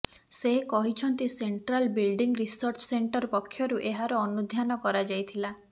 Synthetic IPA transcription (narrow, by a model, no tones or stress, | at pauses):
sekɔɦit͡ʃʰɔnt̪iseɳʈɾalbilɖiŋɡɾisɔɾt͡ʃɔ̥seɳʈɔɾpɔkʰːjɔɾuʔeɦaɾɔːnud̪ʱjanɔkɔɾad͡ʒajt̪ʰila